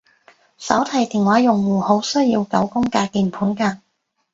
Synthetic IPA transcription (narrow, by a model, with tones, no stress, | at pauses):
sɐ̰˨˥wt̪ʰɐ˨˩jt̪iː˨˩ŋwaː˨˥jʊ˨˩ŋwuː˨˩ho˨˥wsɵ˥ji˧wkɐ˨˥wkʊ˥ŋkaː˧k̪iː˨˧npʰuː˨˥nkaː˧n